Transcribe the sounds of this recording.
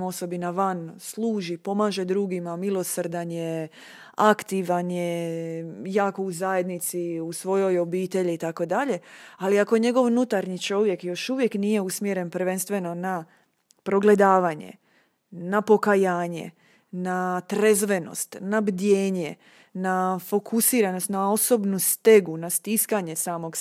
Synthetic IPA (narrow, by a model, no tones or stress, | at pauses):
mo̞so̞binaʋanslˠuːʒipo̞maːʒe̞d̪ɾuɡimamilˠo̞srɾd̪anje | akt̪iʋanje | jaːko̞uzaje̞d̪nit̪siusʋo̞jo̞jo̞biːt̪e̞ʎiːt̪ako̞d̪aʎe̞aliakoɲe̞ɡo̞ʋnut̪aɾɲit͡ʃo̞ʋje̞kjo̞ʃuʋje̞knije̞usmjeɾe̞npɾ̩ʋe̞nst̪ʋe̞no̞na | pɾo̞ɡle̞d̪aːʋaɲe̞̰ | napo̞kajaːɲe̞̰ | nat̪ɾezʋe̞no̞̰st̪nabd̪jeːɲe | nafo̞kʰusiːɾano̞st̪nao̞so̞bnust̪e̞ɡunast̪iskaɲe̞saːmo̞ɡ